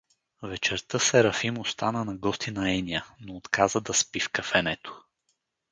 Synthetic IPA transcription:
vɛt͡ʃɛɾt̪əsɛɾɐfimost̪anənɐɡɔst̪inɐɛniənoːt̪kʰazəd̪ɐspifkɐfɛnɛt̪o̥

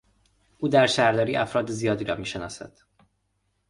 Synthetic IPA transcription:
ud̪æɾʃæɾlɒɾiʔɒfɾɒd̪zijɒd̪iɾɒmiʃɛnɒsɛ̰t̪

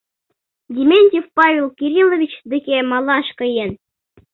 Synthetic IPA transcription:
dʲimʲenʲtʲifpɑvʲelˠkʲiɾʲilˠovʲit͡ɕd̪ɘ̆kʲemɑlˠɑʃkɤ̆jĕn

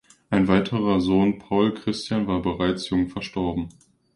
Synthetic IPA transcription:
ʔaɪnvaɪtʰəʁɐzoːnpʰaʊlkʁ̥ɪstjaːnvaːɐbəʁaɪt͡sjʊŋfɛɐʃtɔɐbm̩

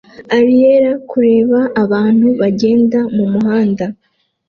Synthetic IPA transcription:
aɾijeɾakuɾe̞ːβaːβaːn̥huβaɟe̞ːndamumuɦaːnda

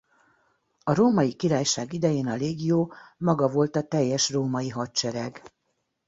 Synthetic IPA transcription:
ɒɾoːmɒjikiɾaːjʃaːɡid̪ɛjeːnɒleːɡjoːmɒɡɒvo̞lt̪ɒt̪ɛjːɛʃroːmɒjiɦɒtt͡ʃɛɾɛɡ

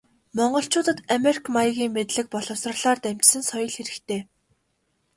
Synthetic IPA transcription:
mɔɴɢɞ̆ɬt͡ɕʊːt̪ə̆t̪ameri̥kʰmajiɣʲiːŋmet̪ɮɘ̆k̚pɔɮɞ̆wsrɞ̆rɮaːrt̪æm̥ʲt͡ɕsɘ̆nsɔjɞ̆ɮxeɾɘ̆kt̪ʰeː

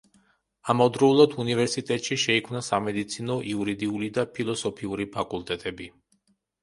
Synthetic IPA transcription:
amɔd̪ɾɔulˠad̪univɛɾsit̪ʼɛt̪ʼʃiʃɛikʰmnasamɛd̪it̪sʰinɔʔiuɾid̪iulid̪apʰilˠɔsɔpʰiuɾipʰakʼulˠt̪ʼɛt̪ʼɛbi

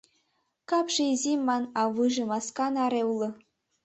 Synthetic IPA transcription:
kɑpʂeezʲemʲːɑnɑʋɯʐɤ̆mɑskɑnɑɾewlˠɤ̆

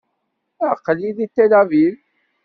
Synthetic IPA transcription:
əqːəliðit̪ːelævil

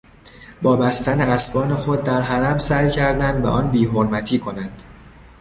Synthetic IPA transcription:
bɒːbæst̪æneæsbɒːne̞xo̞d̪ːæɾɦæɾæmsæjcʰæɾd̪ænd̪væ̰ʔɒːnbiːɦoɾmæt̪ʰiːkʰo̞nænd̪̥

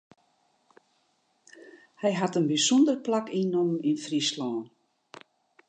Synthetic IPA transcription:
hɛjɦatənbisɔndərplakinɔmninfrislɔːn

